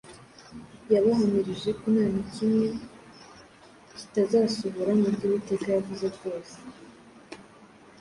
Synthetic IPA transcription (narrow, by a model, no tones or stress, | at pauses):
jaβaɦamiɾiʒe̞kunaːnicimŋe̞ | ci̥tazaːsuβuɾamubɟuβite̞kajavuze̞kɡo̞ːse̥